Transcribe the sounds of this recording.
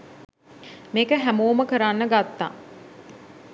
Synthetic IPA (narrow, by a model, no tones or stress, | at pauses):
meːkəɦæmoːməkəɾanːəɡat̪ːa̰